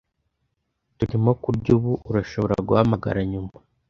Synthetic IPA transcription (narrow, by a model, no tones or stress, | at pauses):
tuɾimo̞kuɾɟuːβuʔuɾaʃo̞βoɾa̰ɾɡuhamaɡa̰ɾaɲuma